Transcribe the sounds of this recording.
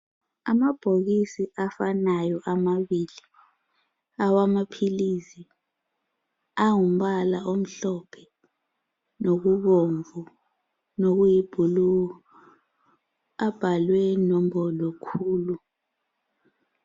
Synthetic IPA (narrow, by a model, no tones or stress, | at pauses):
amab̥ʱok̬isiafanajɔʔamaɓili | awamapʰilisi | aŋum̩ɓalaom̩ɬɔpʰɛ | nok̬uɓoɱvu | nok̬ujib̥ʱulu | ab̥ʱalwɛnɔm̩ɓɔlɔkʰuːlu